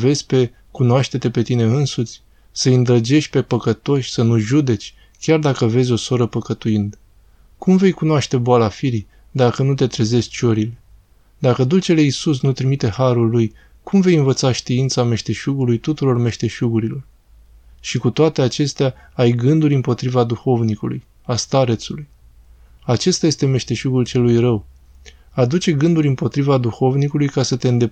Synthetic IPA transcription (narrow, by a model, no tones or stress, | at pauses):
ve̞zʲpe̞ | kunoaʃt̪e̞t̪e̞pe̞t̪ine̞ɨnsut̪sʲ | səɨnd̪ɾəd͡ʒe̞ʃt̪̚ʲpe̞pəkət̪o̞ʃʲsənuʒud̪e̞t͡ʃʲ | kʲard̪akəve̞zʲo̞so̞ɾəpəkət̪uind̪ə | kumve̞jkunoaʃt̪e̞boalafiɾi | d̪akənut̪e̞t̪ɾe̞ze̞st̪t͡ʃo̞ɾile̞ | d̪akəd̪ut͡ʃe̞le̞isus̬nut̪ɾimit̪e̞haɾulːuj | kʰumve̞jɨnvət̪saʃt̪iint̪same̞ʃt̪e̞ʃuɡulujt̪ut̪uɾo̞rme̞ʃt̪e̞ʃuɡuɾilo̞r | ʃikut̪oat̪e̞at͡ʃe̞st̪ea | ajɡɨnd̪uɾʲɨmpo̞t̪ɾivad̪uxo̞vnikuluj | ast̪aɾet̪suluj | at͡ʃe̞st̪aje̞st̪e̞me̞ʃt̪e̞ʃuɡult͡ʃe̞lːujrəw | ad̪ut͡ʃe̞ɡɨnd̪uɾʲɨmpo̞t̪ɾivad̪uxo̞vnikulujkasət̪e̞ɨnd̪e̞